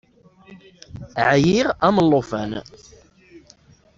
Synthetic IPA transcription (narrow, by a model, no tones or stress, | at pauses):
ʕjiʁæməlːofæn